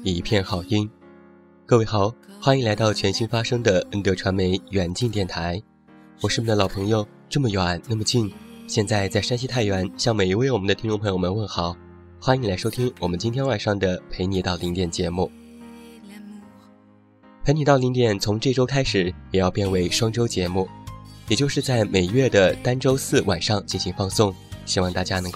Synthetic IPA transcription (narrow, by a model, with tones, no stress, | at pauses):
i˨˩˥pʰjɛ˥˧nxɑ˨˩ʊt̪i˥ŋ | kɤ˥˧we˥˩ɪxɑ˨˩˦ʊxwa˥ni˧˥ŋla˧˥ɪt̪ɑ˥˩ʊt͡ɕʰɥɛ˧˥nɕi˥nfa˥ʂɤ˥ŋd̪ə˨ə˥nt̪ɤ˧˩ʈ͡ʂʰwa˧˥nme˧˥ɪɥɛ˨˩nt͡ɕi˥˧nt̪jɛ˥˩nt̪ʰa˧˥ɪ | wɔ˨˩ʂɻ̩˥˩mi˧˥d̪ə˧lɑ˨˩ʊpʰɤ˧˥ŋjo˧ʊ | ʈ͡ʂɤ˥˩mə˩jwa˨˩nna˥˩mə˩t͡ɕi˥˧nɕjɛ˥˧nt͡sa˥˧ɪt͡sa˥˩ɪʂa˥nɕ̬i˥t̪ʰa˥˩ɪɥɛ˧˥nɕjɑ˥˩ŋme˨˩i˧˥we˥˩ɪwɔ˨˩mə˦nd̪ə˧t̪ʰi˥ŋʈ͡ʂʊ˥˩pʰɤ˧˥jo˨˩ʊmə˧nwə˥˩nxɑ˨˩˦ʊ | xwa˥i˧˥la˧˥ɪʂo˥ʊt̪ʰi˥ŋwɔ˨˩mə˦nt͡ɕi˥nt̪ʰjɛ˥nwa˨˩nʂɑ˥˩ŋd̪ə˩pʰe˧˥ɪni˨˩t̪ɑ˥˩ʊli˧˥ŋt̪jɛ˥˩nt͡ɕjɛ˧˥mu˥˩ | pʰe˧˥ɪni˨˩t̪ɑ˥˩ʊli˧˥ŋt̪jɛ˨˩nt͡sʰʊ˧˥ŋʈ͡ʂɤ˥˩ʈ͡ʂo˥ʊkʰa˥ɪʂɻ̩˨˩˦jɛ˨˩jɑ˥˧ʊpjɛ˥˩nwe˧˥ɪʂwɑ˥ŋʈ͡ʂo˥ʊt͡ɕjɛ˧˥mu˥˩jɛ˨˩t͡ɕjo˥˧ʊʂɻ̩˥˧t͡sa˥˩ɪme˨˩ɪɥɛ˥˩d̪ə˩t̪a˥nʈ͡ʂo˥ʊsɹ̩˥˩wa˨˩nʂɑ˥˧ŋt͡ɕi˥˩nɕi˧˥ŋfɑ˥˧ŋsʊ˥˧ŋɕi˥wɑ˥˧ŋt̪a˥˩t͡ɕja˥nɤ˧˥ŋk